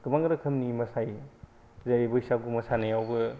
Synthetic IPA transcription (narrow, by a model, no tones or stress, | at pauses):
kɯmaŋɡɾɐkʰɐmnimɐsaj | zaɾibɐhisap̚ɡumɐsanajawbɯ